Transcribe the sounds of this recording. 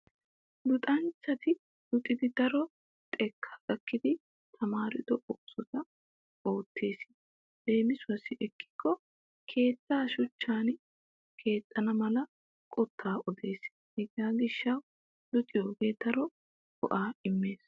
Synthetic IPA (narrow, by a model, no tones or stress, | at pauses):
d̪ʊt̪ʼɐnt͡ʃːɐt̪ɪ | dʊt̪ʼːɪd̪ɪd̪ɐɾɔ | t̪ʼɛkʰːḁːkʼɐkːɪd̪ɪ | t̪ʰɐmaːɾɪd̪ɔʔɔʔsɔt̪ɐ | o̞ːt̪ːe̞ːs | d̪e̞ːmɪsʊɐsɪʔɛkːɪ̥kʰːɔ | kʰe̞ːt̪ːaːʃʊt͡ʃːaːn | kʰe̞ːt̪ʼːɐnɐmɐlɐ | kʼɔt̪ʰːaːʔɔd̪e̞ːs | hɛɡaːɡɪʃːɐw | d̪̥ʊt̪ʼɪjoːɡe̞ːd̪̥ɐɾɔ | kɔ̰ʔaːɪmːe̞ːs